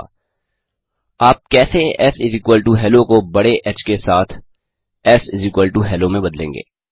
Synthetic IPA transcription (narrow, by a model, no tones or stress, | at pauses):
aːp̚kɛːseɛsɪzɪkwəlʈuɦɛːlõkobɐɽeʔɛt͡ʃkesaːt̪ʰ | ɛsɪzɪkwəlʈuɦɛːlõmẽbɐd̪lḛ̃ːŋɡḛː